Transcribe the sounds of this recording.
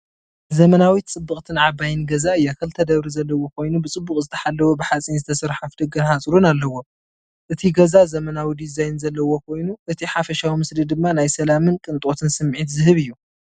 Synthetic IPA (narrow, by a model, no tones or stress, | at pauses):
zɐmɐnawit̪̚t͡sʼɨbːɨχʼt̪ʰɨnʕabajɨnɡɐzaɨjːakʰɐlt̪ʰɐd̪ɐβɾizɐlːɐwo̞kʰo̞jnubɨt͡sʼɨbːuχʼzɨt̪ʰɐħalːɐwobɨħat͡sʼinzɨt̪ʰɐsɨɾħafd̪ɨɡɐnhat͡sʼɾunalːɐwo̞ | ʔɨt̪ʰiɡɐzazɐmɐnawid̪izajnzɐlːɐwo̞kʰo̞jnuʔɨt̪ʰiħafɐʃawimɨslid̪ɨmːanajsɐlamɨnkʼɨnt̪ʼo̞t̪ʰɨnsɨmːʕit̪zɨɦɨβɨjːu